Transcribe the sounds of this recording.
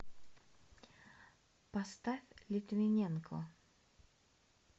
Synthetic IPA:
past̪afʲlʲɪt̪mʲɪnʲenkʰʊ

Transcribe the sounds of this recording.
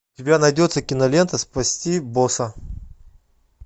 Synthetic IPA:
tʲɪbʲanɐjdʲot̪səkʲɪnɐlʲe̞nt̪əspɐsʲtʲibosɐ

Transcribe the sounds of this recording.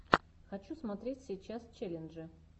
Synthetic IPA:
xɐt͡ɕusmɐt̪ɾʲetʲsʲɪjt͡ɕast͡ɕelʲɪnʐɨ

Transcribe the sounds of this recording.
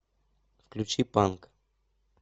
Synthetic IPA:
klut͡ʃipaŋk

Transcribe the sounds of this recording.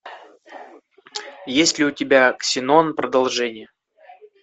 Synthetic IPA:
jesʲtʲlʲɪʊtʲɪbʲaksʲɪnonpɾəd̪ɐlˠʐɛnʲɪjə

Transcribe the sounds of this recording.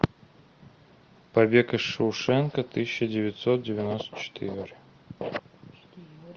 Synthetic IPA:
pɐbʲekəʂɨʊʂɛnkət̪ɨsʲɪɕədʲɪvʲɪt̪ʲsot̪̚dʲɪvʲɪnost̪ə̥t͡ɕɪ̥t̪ʰɨ̰ɾʲrʲ

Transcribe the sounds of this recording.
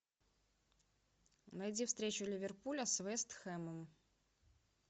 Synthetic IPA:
nɐjɪdʲifst̪ɾʲet͡ɕʊlʲɪvʲɪrpulʲəsvɛst̪xɛməm

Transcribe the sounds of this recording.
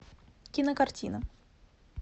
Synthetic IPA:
kʲinəkɐrtʲinə

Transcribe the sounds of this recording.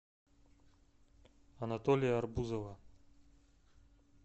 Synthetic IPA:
ɐnat̪olʲɪjɐːrbuzovɐ

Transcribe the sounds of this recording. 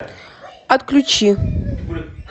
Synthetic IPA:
ɐt̪klʲʊt͡ɕi

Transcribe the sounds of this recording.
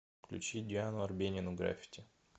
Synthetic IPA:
klʲʉ̰t͡ɕid̪ʲɪanʊɐrbʲenʲɪnʊɡɾa̰fʲi̥tʲɪ

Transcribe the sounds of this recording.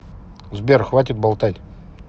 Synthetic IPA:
zbʲerxvatʲɪt̪̚balˠt̪ajʲ

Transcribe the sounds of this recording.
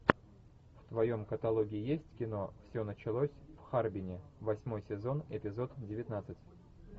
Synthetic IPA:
ft̪vɐjo̞mkət̪ɐlˠo̞ɡʲɪɪjesʲtʲkʲɪno̞fsʲɵnət͡ɕɪlˠosʲfxarbʲɪnʲɪvɐsʲmo̞jsʲɪzo̞nɪpʲɪzo̞t̪dʲɪvʲɪt̪nat̪sɨtʲ

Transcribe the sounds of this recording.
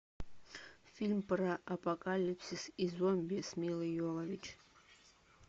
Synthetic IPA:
fʲilʲmpɾɐʔɐpʼɐkʼalʲipsʲisizɔmʲbʲɛsmʲilˠɨjɔlˠɐvʲit͡ʃʰ

